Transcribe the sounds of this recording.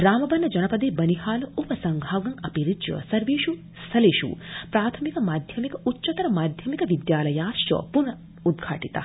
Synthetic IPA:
ɾaːmɐbɐnːɐd͡ʒɐnɐpɐd̪eːbɐniɦaːlɐupɐsɐŋɡʱaːɡɐŋɐpiɾid̪jɐ̰sɐɾʋiːʃu | st̪ʰɐleːʃṵpɾaːt̪ʰɐmikɐmaːd̪ʱjɐmikɐʔutːʃɐt̪ɐɾɐmaːd̪ʱjɐmikɐʋid̪jaːlɐjaːʃjɔ̰ːpunɐ | ud̪ɡʱa̰ːʈit̪a̰

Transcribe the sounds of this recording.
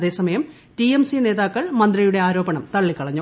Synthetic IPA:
ðe̞ːsɐmɐjɐm | tiemsine̞ːðaːkːɐɭmɐnd̪rɐjuɽe̞aːɾo̞ːbɐɳɐmt̪ɐɭːikːɐɭɐɲːu

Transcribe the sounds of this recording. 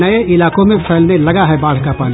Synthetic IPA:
ɐeɪlaːkõmẽpʰɛːlnelɐɡaɦɛbaːl̤kapaːni

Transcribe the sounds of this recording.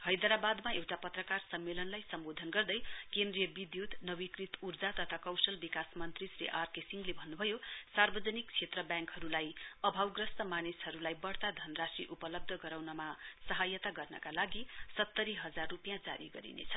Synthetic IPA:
hʌjd̪ʌɾabad̪maewʈapʌt̪rʌkarsʌmːelʌnlajsʌmbod̪ʱʌnɡʌrd̪ʌjkend̪rijʌbid̪jut̪nʌbikrit̪urd͡zat̪ʌt̪ʰakʌwsʌlbikasmʌnt̪risɾḭʔarkesiŋɡlebʱʌnːubʱʌjosarbʌd͡zʌnik̚t͡sʰet̪rʌbjãŋkɦʌɾulajʌbʱawɡrʌsʈʌmanisɦʌɾulajbʌɽt̪ad̪ʱʌnrasiʔupʌlʌb̚d̪ʱʌɡʌɾawnʌmasʌɦajʌt̪aɡʌrnʌ̰kalaɡisʌt̪ːʌɾiɦʌd͡zarːupijãd͡za̰ɾiɡʌ̰ɾḭnḛt͡sʰʌ̥

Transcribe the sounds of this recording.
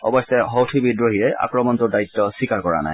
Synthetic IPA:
ɔ̰bɔstɛɦɔwtʰibidɹoɦijɛʔa̰kɹɔmɔntʊdaitːɔswikaɹkɔɹa̰na̰j

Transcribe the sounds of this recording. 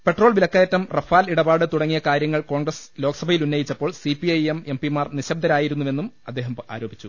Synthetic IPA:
pe̞ʈroːɭʋilɐkːɐːjɐtːɐmrɐfaːliɽɐbaːɽɨt̪uɽɐŋːijɐkaːɾjɐŋːɐɭko̞ːɳɡrɐslo̞ːkɐsɐbʱɐjilunːɐjit͡ɕːɐpːo̞ːɭsipiɐjemempimaːrniɕɐb̚d̪ʱɐɾaːjiɾunːuʋe̞nːumɐd̪ːe̞ːɦɐma̰ːɾo̞ːbit͡ɕːu

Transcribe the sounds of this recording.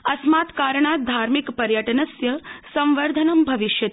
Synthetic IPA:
ɐsmat̪kaɾɳad̪ʱaɾmikpɐɾjəʈənəsjəsə̃mʋəɾd̪ʱənəmbʱɐʋiʃjət̪

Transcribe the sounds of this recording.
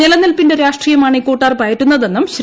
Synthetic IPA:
ilɐnːilpinde̞ɾaːʂʈriːjɐmaːɳikoːʈːaːrpɐːjɐʈːunːɐðe̞nːumɕ

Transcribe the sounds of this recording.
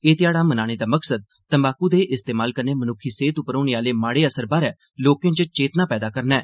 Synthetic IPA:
eːt̪ɪaːɽaːmənaːɽ̃eːd̪aːməksəd̪̚ | t̪əmbaːkuːd̪eːʔɪst̪eːmaːlkəɾneːmənʊkʰːiːseːt̪ʊpɾɔ̃ːñeːaːleːmaːɽeːəsəɾbaːɾɛː | loːkj̃t͡ʃət͡ʃeːt̪nãːpɛːd̪aːkəɾnɛː

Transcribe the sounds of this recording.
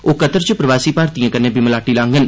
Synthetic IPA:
oːkət̪əɾt͡ʃəpɾəʋaːsiːpaːɾt̪ijãːkənẽːbiməlaːʈiːlãːŋɡən

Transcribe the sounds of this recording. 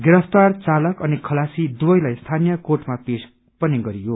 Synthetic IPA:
ɡeɾʌst̪art͡salʌkʌnikʰʌlasid̪ubʌjlajst̪ʰanijʌkoʈmapes | pʌniɡʌɾijo

